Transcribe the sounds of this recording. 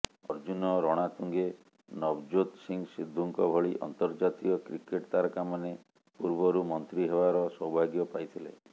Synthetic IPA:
ɔɾd͡ʒunɔɾɔɽ̃at̪uŋɡe | nɔbd͡ʒot̪siŋsid̪ʱːuŋkɔbʱɔɭiʔɔ̰nt̪ɔɾd͡ʒat̪iɔkɾikeʈt̪aɾɔkamane | puɾbɔɾumɔnt̪ɾiɦebaɾɔsɔwbʱaɡjɔpajt̪ʰilḛ

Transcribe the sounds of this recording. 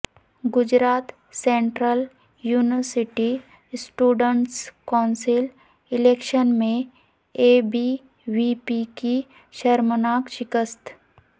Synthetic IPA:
ɡʊd͡ʒɾaːt̪ | sẽːɳʈɾəl | juːnʋəɾsɪʈi | sʈuːɖəɳʈskaʊnsɪl | ɪleːkʃənmẽ | eːbi | ʋipiki | ʃəɾmənaːkʃɪkəst̪

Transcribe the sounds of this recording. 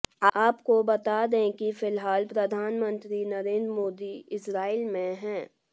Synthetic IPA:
aːpkobɐt̪ad̪ẽkifɪlɦaːlpɾɐd̪ʱaːnmə̃nt̪ɾinɐɾẽːnd̪ɾmoːd̪iɪsɾaːilmẽɦɛ̃ː

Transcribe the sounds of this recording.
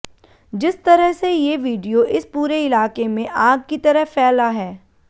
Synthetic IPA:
d͡ʒɪst̪ɐɾəɦsejeʋiːɖijoʔɪspuːɾeɪlaːkemẽʔaːɡ̚kit̪ɐɾəɦfɛːlaɦɛː

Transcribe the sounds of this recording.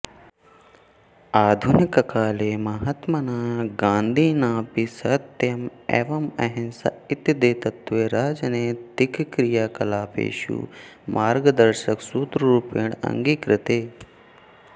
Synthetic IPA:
aːd̪ʱunikɐkaːleːmɐɦɐt̪mɐnaːɡãːnd̪ʱiːnaːpisɐt̪jɐmḛʋɐmɐ̰ɦinsɐ̰it̪jɐd̪eːt̪ɐt̪ʋeːɾaːd͡ʒɐneːd̪ikkɾijaːkɐlaːpḛːʃṵːmʔaːɾɡɐd̪ɐɾʃɐksuːt̪ɾɐɾupeːɳɐ̰ŋɡiːkɾɪt̪eː

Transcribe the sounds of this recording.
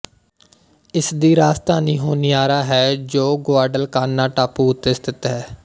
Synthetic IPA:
ɪsd̪iːɾaːst̪aːniːɦoːniːaːɾaːɦɛːd͡ʒoːɡoaːɾɖəlkaːnaːʈaːpuːʊt̪ːɪst̪ʰɪt̪ɦɛː

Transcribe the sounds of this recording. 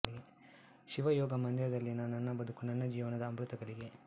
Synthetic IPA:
iɡe | ʃiʋɐjɔːɡɐmɐnd̪ɐɾɐd̪ɐlːinɐnːɐnːɐbɐd̪ukunɐnːɐd͡ʒiːʋɐnɐd̪ɐːmbɾut̪ɐɡɐɭiɡe̞

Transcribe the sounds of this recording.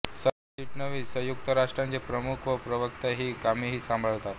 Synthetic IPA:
sə | t͡ɕiʈnəʋiːsəjuk̚t̪əɾaʂʈɾant͡sepɾəmukʰʋəpɾəʋəkt̪aɦiːkamiːɦiːsãmbʱəɭt̪at̪

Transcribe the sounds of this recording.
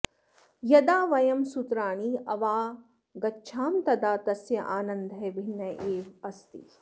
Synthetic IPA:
jɐd̪aːʋɐjɐmsut̪ɾaːɳiːɐʋaː | ɡɐtːʃʰaːmt̪ɐd̪aːt̪ɐsjɐʔaːnɐnd̪ʱɦebʱinːɐʔeːʋɐst̪ḭ

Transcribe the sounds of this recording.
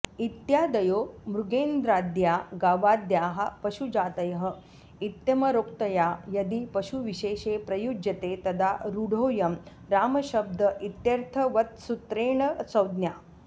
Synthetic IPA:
it̪jaːd̪ɐjoːmɾuɡeːnd̪ɾaːd̪jaɡaːʋaːd̪jaːɦɐpɐʃud͡ʒaːt̪ɐjɦə̆ | it̪jɐmɐɾoːkt̪ɐjajɐd̪ipɐɕuʋiɕeːɕepɾɐjud͡ʒjɐt̪et̪ɐd̪aɾuɽ̤ʱoːjɐm | ɾaːmɐɕɐb̚d̪əʔit̪jɐɾt̪ʰəʋɐt̪sut̪ɾeːɳət͡sɐwd̪njaː

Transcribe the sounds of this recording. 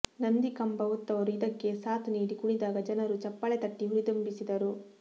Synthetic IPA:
nɐnd̪ikɐmbɐʋut̪ːɐʋɐɾuid̪ɐkːe̞saːt̪niːɽikuɽid̪aːɡɐd͡ʒɐnɐɾut͡ʃɐpːɐɭɛt̪ɐʈːiuɾid̪umbisid̪ɐɾu

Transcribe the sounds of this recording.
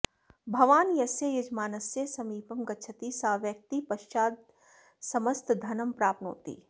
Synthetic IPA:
bʱɐʋaːnjɐsjejɐd͡ʒmaːnɐsjesɐmiːpɐmɡɐtːʃʰɐt̪isaːʋjɐk̚t̪ipɐʃt͡ʃaːd̪̚ | sɐmɐst̪d̪ʱɐnɐmpɾaːpno̰ːt̪ḭː

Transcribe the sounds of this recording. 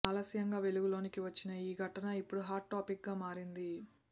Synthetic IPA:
aːlɐsjɐŋɡaːʋe̞luɡulo̞ːnikiʋɐt͡ʃːinɐiːɡʱɐʈɐnɐipːuɽuɦaːʈːaːpik̚ɡaːmaːɾind̪i

